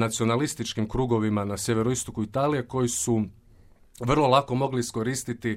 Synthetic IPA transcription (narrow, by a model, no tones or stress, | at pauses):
nat̪sio̞nalist̪it͡ʃkimkɾuːɡo̞ʋimanasje̞ʋe̞ɾoist̪okuit̪aːlije̞ko̞jisu | ʋr̩lˠo̞lˠako̞mo̞ɡliisko̞ɾiːst̪it̪i